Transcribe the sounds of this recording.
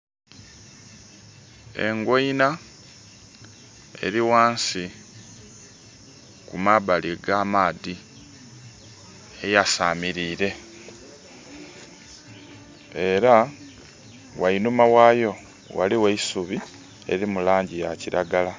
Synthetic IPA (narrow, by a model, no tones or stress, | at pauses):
e̞̰ŋɡwoina | e̞̰ɾiwaːnsi | kumaβaliɡaːmaːði | ejasamiɾiːɾe̞ | eɾa | wainumawaːjo̞ | wa̰liweisuβi | e̞̰ɾimulaːɲɟijaciɾaɡala